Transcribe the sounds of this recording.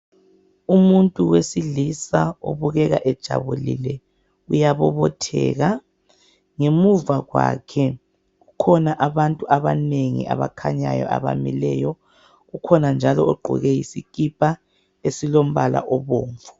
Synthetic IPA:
umuntʼuwesilisao̰βuɣɛɣa̰ʔɛd̥ʒ̥ʱa̰βulḭlɛ | ujaβɔβɔtʰɛ̰ːɣa | ŋemuvaɣwa̰ːkʰɛ | ɣukʰɔnaʔaβantʼuʔaβaneŋḭa̰βakʰaɲajɔ̰ʔaβa̰milɛ̰ːjɔ | ɣukʰɔnand͡ʒʱalɔoɡ͡ǃʱṵɣɛjisikʼipʼa | esilom̩βala̰ʔɔβoːɱvu̥

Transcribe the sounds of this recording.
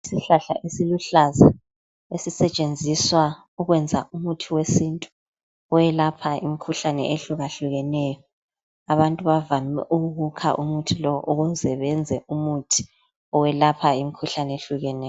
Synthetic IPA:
isiɬaɬa̰ʔesiluɬaza | esisɛt͡ʃʼend͡zʱiswa | uɣwɛnd͡zʱaʔumutʰiwesintʼu̥ | ɔjɛlapʰaimikʰuɬanɛ̰ʔeɬuɣaɬuɣɛnɛjɔ | aβantʼuβavamɛʔuɣuɣukʰa̰ʔumutʰilɔʔuɣuzɛβɛnd͡zʱɛʔumutʰi̥ | ɔwɛlapʰaimikʰuɬaneɬuɣɛnɛj

